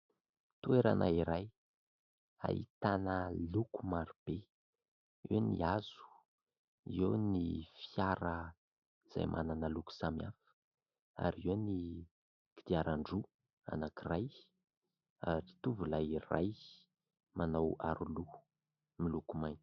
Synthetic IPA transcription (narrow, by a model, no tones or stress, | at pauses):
t̪ueɾa̰nʔaiɾaj | a̰ḭt̪anəlukumaɾib̥e | ewnḭaz̥u̥ | ewnifiaɾə | iz̥a̰jmʔa̰nanəluku̥samiafə̥ | a̰ɾiewni | ki̥d̪iaɾaɳɖ͡ʐu | a̰nakiraj | aɾit̪uvulaira̰j | manawaɾulu̥ | milukumajni̥